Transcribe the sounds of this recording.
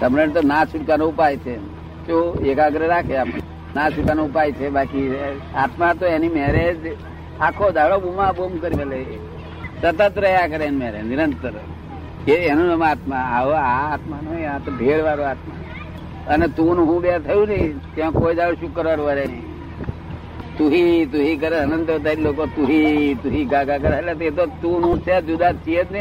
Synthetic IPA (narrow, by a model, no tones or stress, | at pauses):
səmɾənt̪̬onat͡ʃʰuʈkaneupajt͡ʃʰe | t͡ʃoekaɡəɾeɾakʰea | nãt͡ʃʊʈkanoupajt͡ʃʰebaki | aːt̪mat̪oenimeːɾed͡ʒ | akʰod̪ʱaɭobumãbomkəɾiele | sət̪ət̪ɾəɦjakəɾenmeːɾenɪɾənt̪əɾ | keenũnəmaːt̪maaaːt̪manoãt̪obʱeːɽʋaɾoaːt̪ma | ənet̪unɦũbat̪ʰəjũnəɦĩt̪jãkoːid̪aɭoʃukəɾʋaɾuʋaɾe | t̪uɦit̪uɦik̬əɾeənə̃nd̪ət̪alokot̪uɦit̪uɦiɡaːɡak̬əɾelat̪et̪̬ot̪unũt͡ʃʰead͡ʒud̪at͡ʃijət̪ne